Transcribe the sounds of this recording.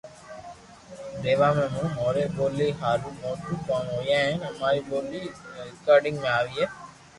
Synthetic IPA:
d̪eːʋaːmẽːmũːmoːɾeːboːliːɦaːɾuːmõːʈukãːnoːjãːəmaːɾiboːliːɾɪkaːɾɖɪ̃ŋɡmẽaːʋiːeː

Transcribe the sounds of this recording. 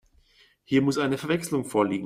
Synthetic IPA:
hiːɐmʊsʔaɪnəfɛɐvɛkslʊŋfoːɐliːɡŋ̩

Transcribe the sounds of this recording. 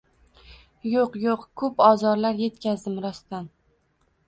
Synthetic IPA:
joqjoqkʰɵpɒzɒɾlaɾje̞t̪kʲazd̪ɪmɾɒst̪an

